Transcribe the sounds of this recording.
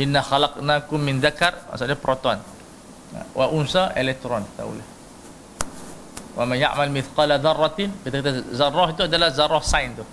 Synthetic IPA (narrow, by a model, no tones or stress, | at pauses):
ʔɪnːaxalɑqnakʊmːɪnðakarma̰suapɾot̪ɔn̰ | wʔaʔʊnsaʔelɛk̚t̪ɾɔnt̪a̰ṵlah | wʔa̰manja̰ʔmalmɪθqɑlaðɑrˤːɑt̪kit̪akat̪azarːɔɦit̪̬uadalahzaɾɔhsajnt̪u